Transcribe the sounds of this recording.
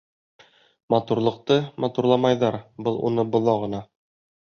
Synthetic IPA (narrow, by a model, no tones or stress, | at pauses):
mɑt̪uɾlˠɤ̆q̚t̪ɤmɑt̪uɾlˠɑmɑjðɑɾbɤlˠṵnɤbŏlˠɑʁɤ̆nɑ